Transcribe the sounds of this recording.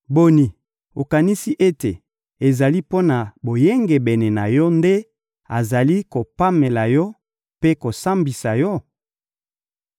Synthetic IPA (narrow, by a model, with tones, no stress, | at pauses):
bo˨ni˨ | o˨ka˨ni˦si˦ʔe˦te˨ | e˨za˨li˦po˦na˨bo˨je˦ŋɡe˨bɛ˨ne˨na˨jɔ˦nde˦ | a˨za˨li˦ko˨pa˦me˨la˨jɔ˦ | pe˦ko˨sa˦mbi˨sa˨jɔ˦